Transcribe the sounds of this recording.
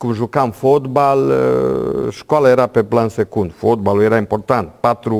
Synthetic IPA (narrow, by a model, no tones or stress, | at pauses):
kumʒukamfot̪bal | ʃkwalaeɾapeplansekund̪ufot̪̚balueɾaimpoɾt̪ant̪pat̪ɾu